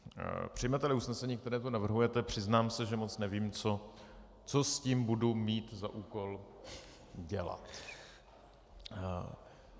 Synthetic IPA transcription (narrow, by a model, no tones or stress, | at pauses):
pr̥ɪjmɛt̪ɛlɪusnɛsɛɲiːk̚t̪ɛɾɛːt̪unavr̩ɦujɛt̪ɛpr̝̥ɪznaːmsɛʒɛmo̞t͡snɛviːmt͡so̞ | t͡sosciːmbudumiːt̪za̰ʔuːko̞l | ɟɛla̰t̪